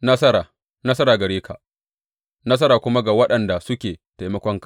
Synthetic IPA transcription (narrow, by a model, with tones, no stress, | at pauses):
nɐ˦sɐ˦ɾaː˨ | nɐ˦sɐ˦ɾaː˨ɡɐ˨ɽeː˦kʰa˨ | nɐ˦s̬ɐ˦ɾaː˨kʷʊ˦ma˦ɡa˨wɐ˦ɗɐ˨nda˨sʊ˦kʲeː˨ta˨jmɐ˦kʷɔ˦ŋkḁ˨